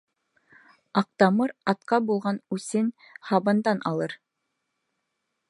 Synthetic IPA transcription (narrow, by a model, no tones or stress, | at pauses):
ɑq̚t̪ɑmɤɾɑt̪qɑbulˠʁɑnʉsɘn | hɑβɤnd̪ɑnɑ̰lˠɤɾ